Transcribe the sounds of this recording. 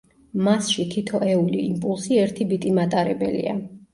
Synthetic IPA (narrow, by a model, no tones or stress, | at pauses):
masʃit̪ʰit̪ʰɔʔɛuliimpʼulˠsiɛɾt̪ʰibit̪ʼimat̪ʼaɾɛbɛlḭa̰